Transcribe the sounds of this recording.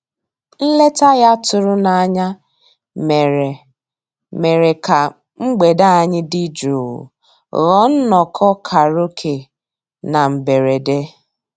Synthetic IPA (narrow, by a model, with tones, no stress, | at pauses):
n̩˦le˦ta˦ɣa˦tʊ˦ɾʊ˦na˨a˨ɲa˦ | m˨e˨ | me˨ɾe˨ka˨ | ŋ͡m̩˦ɡ͡be˨da˦a˨ɲɪ˦dɪ˦d͡ʒṵ˨ | ɣɔ˦n̩˦nɔ˨kʰɔ˦kʰa˨ɾo˦kʰe˨ | na˨m̩˨be˨ɾe˨de˦